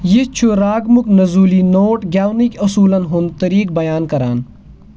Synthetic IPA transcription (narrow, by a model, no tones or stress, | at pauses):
jet͡ʃʰuɾaːɡmuknɐzuːlinoːʈɡaːwnikɐsuːlɐnɦunt̪ɐɾiːk̚bɐjaːnkɐɾaːn